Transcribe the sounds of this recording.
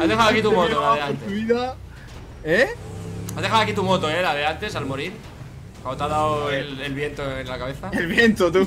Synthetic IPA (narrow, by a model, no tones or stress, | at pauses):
azðexawoakit̪umot̪laðeɾant̪euβiða | e | azðexawakit̪umo̞t̪oe̞laðeant̪e̞salmo̞ɾiɾ | kwand̪ot̪aðawelelβje̞nt̪oenlakaβe̞θaelβjent̪ot̪u